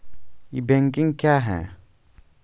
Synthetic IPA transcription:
ibeŋkiŋkaːɦɛ̰̃

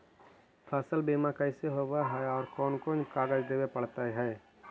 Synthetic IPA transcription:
pʰəsəlbeːmãkɛːseɦoːwaɦɛɔːɾkɔːnkoːnkaːɡəd͡ʒd̪eːwepəɽt̪aɦɛː

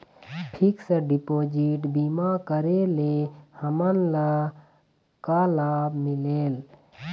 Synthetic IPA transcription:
pʰiksəɖipoːd͡ʒiʈbimakəɾelehəmənla | kalaːbmileːl

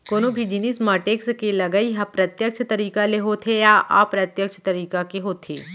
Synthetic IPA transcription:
koːnobʱid͡ʒinismaːʈeːkskelɐɡəiɦapɾɐt̪jəkt͡ʃʰt̪ɐɾiːkaleɦoːt̪ʰejaʔa̰ːpɾɐt̪jɐkt͡ʃʰət̪ɐɾiːkakeɦoːt̪ʰḛː

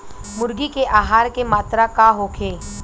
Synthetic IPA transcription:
mʊɾɡikeʔaːɦaːɾkemaːt̪ɾakaɦoːkʰeː

